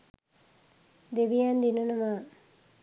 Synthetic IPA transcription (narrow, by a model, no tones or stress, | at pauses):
d̪eʋijand̪inunuma